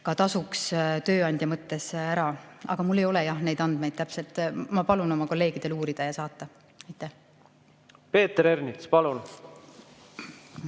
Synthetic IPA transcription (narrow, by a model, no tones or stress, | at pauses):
kɑt̪ɑsukst̪ø̞ːɑnʲd̪jɑmɤt̪ːe̞sæɾɑɑ̰ɡ̥ɑmulːe̞jo̞lɛjɑhne̞jd̪ɑnd̪mejd̪̥̚t̪æpse̞lt̪ːˑmɑpɑluno̞mɑko̞lːe̞ːɡ̥id̪̥e̞luːɾid̪̥ɑjɑsɑːt̪ːˑɑ | ɑjt̪ːˑæh | pe̞ːt̪ɾeɾnit̪spɑlun